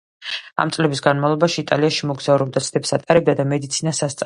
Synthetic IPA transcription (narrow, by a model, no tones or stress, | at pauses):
a̰mt̪sʼlɛbisɡanmavlˠɔbaʃiːt̪ʼaliaʃimɔɡzauɾɛb̚d̪at̪sʰd̪ɛpsat̪ʼaɾɛb̚d̪ad̪amɛd̪it̪sʰinasast̪sʼ